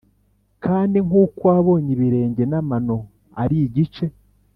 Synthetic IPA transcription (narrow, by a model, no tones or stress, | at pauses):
kʰaːndiŋuːkwaːβo̞ːɲiβiɾe̞ːɲɟe̞namano̞ | aɾiɟit͡ʃe̞